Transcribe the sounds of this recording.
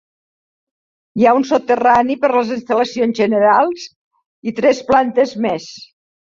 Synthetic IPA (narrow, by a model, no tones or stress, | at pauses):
jaunsot̪ːəranipəɾləzinst̪ələsionzʒənəɾalˠz | it̪ɾɛsplant̪əzmɛs